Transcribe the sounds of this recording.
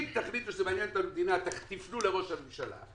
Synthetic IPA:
t̪aχlit̪uʃzemanjent̪amed̪inat̪aχt̪ifnule̞ʁo̞ʃhamimʃala̰

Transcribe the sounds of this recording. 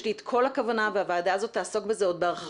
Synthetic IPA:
liet̪kʰo̞lakavanavehavaːdaːzo̞t̪ːaːso̞kbezeod̪beaχ

